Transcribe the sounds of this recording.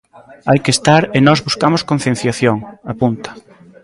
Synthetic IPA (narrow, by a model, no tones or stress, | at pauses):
ajkest̪aɾɪnɔzβuskamoskon̟θjen̟θjaθjoŋapunt̪ɐ̥